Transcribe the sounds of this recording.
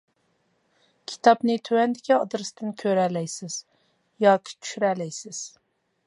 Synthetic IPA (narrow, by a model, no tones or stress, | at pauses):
kʲʰi̥t̪ʰɑpnɪt̪ʰøwɛnd̪ɪkʲiɑd̪ɾɨst̪ɪnkʲʰøɾɛlɛjsɪz̥ | jɑːkʰʲi̥t͡ʃʰy̥ʃyɾɛlɛjsɪz̥